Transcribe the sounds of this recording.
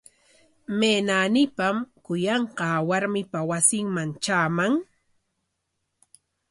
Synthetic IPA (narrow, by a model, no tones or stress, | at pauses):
meːnaːnɪpamkʊjɑɴqɑːwaɾmɪpawasɪŋmaŋt͡ʃaːmaŋ